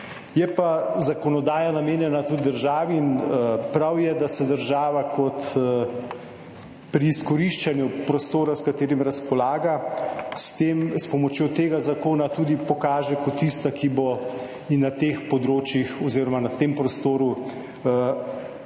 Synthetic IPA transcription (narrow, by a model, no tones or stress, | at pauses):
jɛpazakɔnɔd̪aːjanameːnjɛnat̪ut̪d̪əɾʒaːʋiːnpɾawjɛd̪asɛd̪əɾʒaːʋakʰɔt̪ | pɾiːskɔɾiʃt͡ʃanjupɾɔst̪oːɾaskat̪eːɾimɾaspɔlaːɡast̪emspɔmɔt͡ʃjot̪eːɡazakoːnat̪uːd̪ipɔkaːʒɛkɔt̪ːist̪akibo | inːat̪eːxpɔd̪ɾoːt͡ʃjixɔziːɾɔmanat̪eːmpɾɔst̪oːɾu